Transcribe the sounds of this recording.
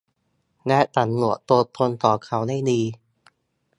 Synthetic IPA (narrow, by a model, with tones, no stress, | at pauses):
lɛ˦˥t̪ʰa˨˦nlu˨˩˦ət̪o˧t̪ʰo˧nt̪ɔː˨˩kʰa˨˦wda˥˩jdiː˧